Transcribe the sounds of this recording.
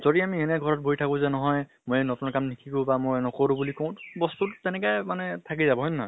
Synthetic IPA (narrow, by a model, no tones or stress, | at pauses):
z̥odiamiɛnɛɡʱɔɹɔt̚boitʰakʊ̃zɛnɔɦɔj | mojnɔtunɔkamnikʰikobamojnɔkoɹũbulikõw̃tbɔst̪uttɛnɛkajmanɛtʰakizabɔɦɔjnnaj